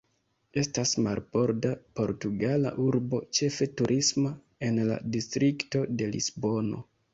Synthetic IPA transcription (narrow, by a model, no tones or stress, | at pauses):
e̞stasmaɾbo̞ɾdapo̞ɾtuɡala̰ʔuɾbo̞t͡ʃe̞fe̞tuɾʔisma | e̞nla̰distɾikto̞de̞lḭsbo̞no̞̰